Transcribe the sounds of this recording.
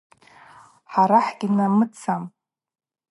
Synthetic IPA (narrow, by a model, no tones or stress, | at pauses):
ħaɾaħɡʲinamɨt͡sʰam